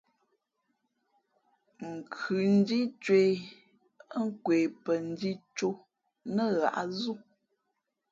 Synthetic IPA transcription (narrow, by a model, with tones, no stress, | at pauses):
ŋ̩˨kʰʉ˨n̩˦di˦t͡ʃwe˨ | ə˦ŋ̩˦kwe˨pə˨n̩˦di˦t͡ʃo˦ | nə˦˨ɣa̰˨ʔa˦zu˦